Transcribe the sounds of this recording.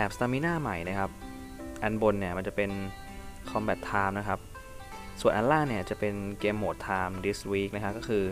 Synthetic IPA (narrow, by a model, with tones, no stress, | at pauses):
bɛː˨˩p̚st̪aː˧miː˦˥naː˥˩ma˨˩jna˦˥kʰa˦˥p̚ | ʔa˧nbo˧nːi˥˩ɐma˧nt͡ɕa˨˩pe˧n | kʰɔ˧mbɛː˨˩t̪ʰːaː˧mna˦˥kʰa˦˥p̚ | su˨˩ənʔa˧laː˥˩nni˥˩ɐt͡ɕa˨˩pe˧nkeː˧mːoː˨˩t̪ʰːaː˧mdi˦˥swiː˦˥k̚na˦˥kʰa˦˥kːɔ˥˩ɯː˧